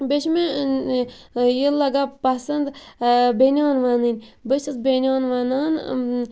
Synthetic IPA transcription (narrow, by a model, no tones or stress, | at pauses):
bet͡ʃme | jilːɐɡapɐsɐnd̪benʲaːnʋanɨnʲbəʃɐsbʲenʲaːnʋanaːn